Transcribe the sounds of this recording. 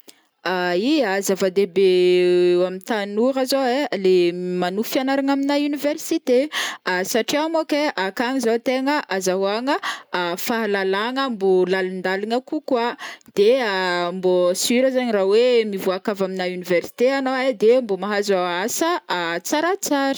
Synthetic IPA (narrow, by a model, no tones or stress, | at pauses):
aiazavad̪ebe | amit̪anuɾazoelemanufianaɾaŋaminayniversit̪easaʈ͡ʂiamokeʔakaŋizot̪eŋəʔazaɦuaŋəːfaɦalalaŋəmbolalund̪aliŋəkukwad̪̥eambosyɾəzaɲrawemivuakavaminaynivɛrsi̥t̪eanoed̪embomaɦazaasəat͡saɾat͡saɾə̥